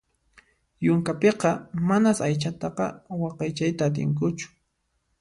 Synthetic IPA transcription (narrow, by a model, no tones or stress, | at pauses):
jʊŋkapeqɑmanasajt͡ʃat̪ɑqɑ̰wɑqɑjt͡ʃajt̪aːt̪ɪ̰ŋk̬ʊt͡ʃʊ̥